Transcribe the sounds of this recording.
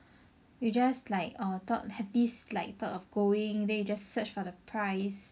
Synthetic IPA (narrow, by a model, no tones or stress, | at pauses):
jud͡ʒaslaɪkɔt̪ɔ̰thɛvdislaɪk̚t̪ɔtɔfɡoɪ̃ŋdɛ̃njud͡ʒassət͡ʃfɔdəpʰɹaɪs